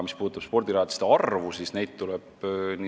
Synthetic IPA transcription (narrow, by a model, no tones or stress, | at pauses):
mispu̥ːt̪ːˑɑb̥spo̞rd̪iɾɑɑt̪i̥st̪eɑrvusisne̞jd̪̥̚t̪ːulɛb̥ni